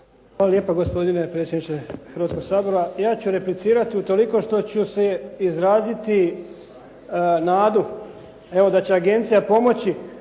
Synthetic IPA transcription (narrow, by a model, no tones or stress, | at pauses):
xaːlaljeːpaɡo̞spo̞d̪inepɾet̪sʲjed̪nit͡ʃexəɾʋat̪sko̞ɡsaːbo̞ɾajaːt͡ɕuɾe̞plit̪siːɾat̪iut̪o̞liko̞ʃt̪o̞t͡ɕuseizɾaːzit̪i | naːd̪u | e̞ʋo̞d̪at͡ɕe̞aɡe̞nt̪sijapo̞mo̞t͡ɕi